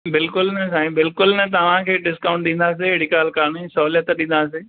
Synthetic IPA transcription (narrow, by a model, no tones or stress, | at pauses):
bɪlkʊlnɐsaːĩbɪlkʊlnɐt̪ɐʋ̤ãkʰeːɖɪskaːʊ̃ɳʈɗĩːnd̪aːs̬eɦɪɽikaːlkaːnisɐɦuːljət̪ɗĩːnd̪aːseː